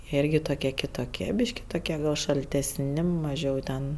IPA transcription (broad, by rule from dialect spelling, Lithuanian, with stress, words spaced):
ˈɪrʲɡʲɪ toːˈkʲiɛ kʲɪtoːˈkʲiɛ ˈbʲiːʃʲkʲɪ toːˈkʲiɛ ˈɡɐlˠ ʃɐlʲtʲɛsʲˈnʲɪ mɐˈʒʲɛʊ tʲɛn